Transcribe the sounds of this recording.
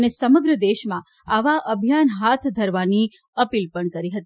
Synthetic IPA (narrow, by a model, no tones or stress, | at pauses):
nesəməɡɾəd̪eʃmã | aʋaʔəbʱjanɦat̪ʰd̪ʱəɾʋani | əpilpəɳkəɾiɦət̪i